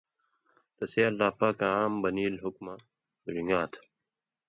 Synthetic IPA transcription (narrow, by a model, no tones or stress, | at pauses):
t̪ɐseːɐlːaːpaːkaaːmbɐniːlɦukma | ɾiŋɡaːt̪ʰ